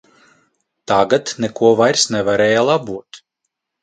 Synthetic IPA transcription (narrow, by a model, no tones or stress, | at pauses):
t̪aɡat̪nɛkuɔvajɾsnɛvaɾɛːjalˠabuɔt̪